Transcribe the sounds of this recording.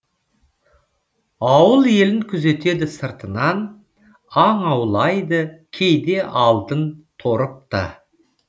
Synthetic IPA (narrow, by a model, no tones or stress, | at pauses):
ɑwəlˠe̞lɪŋkʲʰʏze̞t̪e̞d̪ɪsəɾt̪ənɑn | ɑɴɑwlˠɑjd̪əkʲʰejd̪e̞ʔɑlˠd̪ənt̪ʰo̞ɾəp̚t̪ə̰